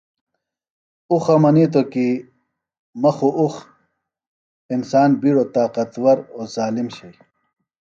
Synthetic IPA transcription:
uxɐmɐniːt̪oki | mɐxuʔux | insaːnbiɽoːt̪aːqɐt̪wɐɾozaːlimɕɐj

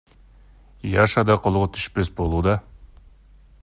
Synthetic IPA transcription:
jɑʃɑd̪ɑqʰolˠuʁot̪ʰy̥ʃpesbo̞lˠuːd̪ɑ

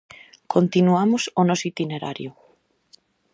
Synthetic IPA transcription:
kʰont̪inuamʊsonɔsit̪ineɾa̰ɾjʊ

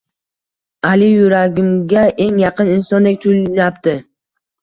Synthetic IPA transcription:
alɪjʊɾaɡʲɪmɡʲaʔe̞ŋjɑqʰɨnɪnsɒnd̪ek̚ʲt̪ʰʊlnapt̪ɪ

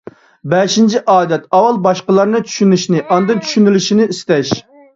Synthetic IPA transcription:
bɛʃint͡ʃʰiʔɑːd̪ɛt̪̚ɑwɑlˠbɑʃqəlˠɑɾnɨt͡ʃʰy̥ʃynyʃnɪʔɑnd̪ɨnt͡ʃʰy̥ʃynɪlyʃinɪist̪ɛʃ

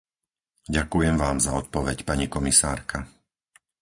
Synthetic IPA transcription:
ɟakujɛmʋaːmzaɔt̪̚pɔʋɛcpaɲikɔmisa̰ːɾkʰa

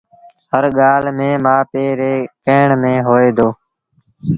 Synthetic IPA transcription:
ɦəɾɠaːlmẽːmãːpeːɾeːkeːɳmẽːɦoːeːd̪oː

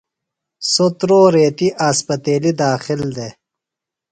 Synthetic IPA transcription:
sot̪ɾoːɾeːt̪iʔaːspɐt̪eːlid̪aːxild̪e

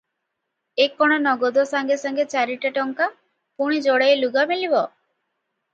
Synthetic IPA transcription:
ekːɔɽ̃ɔnɔɡɔd̪ɔsaŋɡesaŋɡet͡ʃaɾiʈaʈɔŋka | puɽ̃id͡ʒoɽejluɡamilibɔ

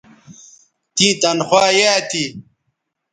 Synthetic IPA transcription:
t̪ĩːt̪ɐnxwaːjet̪i

